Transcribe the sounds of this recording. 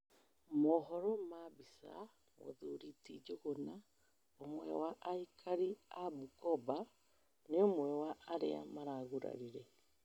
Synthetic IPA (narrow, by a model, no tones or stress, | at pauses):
mɔɦɔɾɔmabisa̰ | ɣo̰ðuɾiːtid͡ʒoɣona | omwɛ̰waʔaikʰaɾiabukɔba | neomwɛwaːɾḛa̰maɾaɣuɾa̰ɾiɾɛ